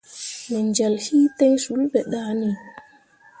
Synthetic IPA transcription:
mɛ˨nd͡ʒɛ˨lhi˦tɛ˦ŋsu˨˦lbɛ˨ɗa˦ni˨

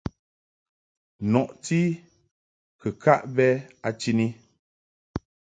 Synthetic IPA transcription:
nɔ˨ʔti˦ | kɨ˨kʰa˦ʔbɛ˦a˨t͡ʃi˦ni˦

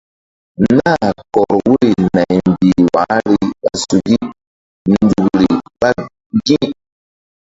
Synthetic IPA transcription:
na˦˨kɔ˨ɾwu˦ɾi˨na˨jm˨bi˨wa˨˦ɾi˨a̰˨su˨ɡi˦ | n˨du˨ɡɾi˨pa˦ | ɡĩ˦

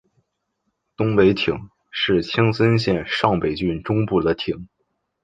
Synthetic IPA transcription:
t̪ʊ˥ŋpe˧˥ɪt̪ʰi˨˩˦ŋ | ʂɻ̩˥˩t͡ɕʰi˥ŋsə˥nɕjɛ˥˧nʂɑ˥˩ŋpe˨˩ɪt͡ɕy˥˩nʈ͡ʂʊ˥ŋpu˥˩d̪ə˩t̪ʰi˨˩˦ŋ

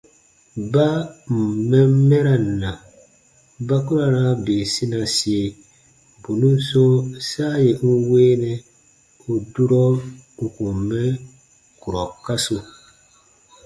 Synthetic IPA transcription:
ba˦m̩˨mɛ˦m˦mɛ˦ɾa˨n̩˨na˨ | ba˦ku˦ɾa˨na˦beː˨si˦na˨si˨e˨ | bu˨nu˦so˦sa˦je˨n̩˦weː˦nɛ˦ | o˨du˦ɾɔ˦u˨ku˨m˨mɛ˦ | ku˨ɾɔ˨ka˦so˨

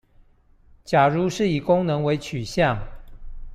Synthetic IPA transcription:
t͡ɕja˨˩ɻu˧˦ʂɻ̩˥˩i˨˩kʊ˥ŋnɤ˧˦ŋwe˧˦ɪt͡ɕʰy˨˩ɕjɑ˥˨ŋ

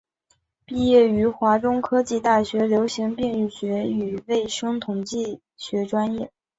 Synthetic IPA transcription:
pi˥˧jɛ˥˩y˧˥xwa˧˥ʈ͡ʂʊ˥ŋkʰɤ˥t͡ɕi˥˧t̪a˥˩ɕɥɛ˧˥ljo˧˥ʊɕi˧˥ŋpi˥˧ŋy˥˩ɕɥɛ˧˥y˨˩ʋe˥˩ɪʂɤ˥ŋt̪ʰʊ˨˩ŋt͡ɕi˥˩ | ɕɥɛ˧˥ʈ͡ʂwa˥njɛ˥˩

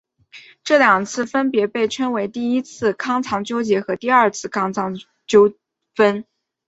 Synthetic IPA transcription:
ʈ͡ʂɤ˥˩ljɑ˨˩ŋt͡sʰɹ̩˥˩fə˥npjɛ˧˥pe˥˩ɪʈ͡ʂʰə˥nwe˧˥ɪt̪i˥˩i˥t͡sʰɹ̩˥˩kʰɑ˥ŋt͡sʰɑ˧˥ŋt͡ɕjo˥ʊt͡ɕjɛ˧˥xɤ˧˥t̪i˥˧ɐ˞˥˧˩t͡sʰɹ̩˥˧kʰɑ˥ŋt͡sʰɑ˧˥ŋ | t͡ɕjo˥ʊ | fə˥n

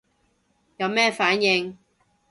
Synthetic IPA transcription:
jɐ˨˧wmɛː˥˩faː˨˥njɪ˧ŋ

